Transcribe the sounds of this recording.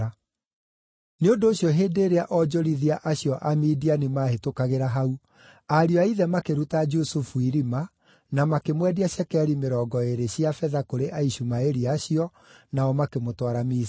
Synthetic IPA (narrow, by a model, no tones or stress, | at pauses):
a | neondoːɕjɔɦeːdeːɾeaʔɔd͡ʒɔɾiðiaʔaɕjɔʔamidianimaɦetokaɣeɾaɦau | aɾiɔaiðɛmakeɾutad͡ʒusufuiɾima | namakemwɛdiaɕɛkɛɾimeɾɔːɡɔeɾeɕiafɛðakoɾeʔaiɕumaeɾiaɕiɔ | naɔmakemotwaɾamiː